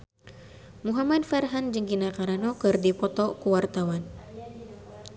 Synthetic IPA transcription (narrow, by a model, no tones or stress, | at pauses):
muɦamadfarɦand͡ʒəŋɡinakaɾanɔkɨrdipɔt̪ɔkuwart̪awan